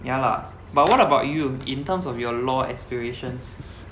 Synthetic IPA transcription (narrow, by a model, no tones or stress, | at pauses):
jala̰ | bat̚wɔɾəbaʊtjuĩntəmsɔfjɔlɔɛ̰kspiɹeʃə̃ns